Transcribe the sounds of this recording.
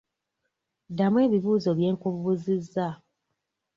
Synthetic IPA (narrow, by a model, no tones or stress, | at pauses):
damwe̞ːβiβuːzo̞βje̞ːŋkuβuβuzizːa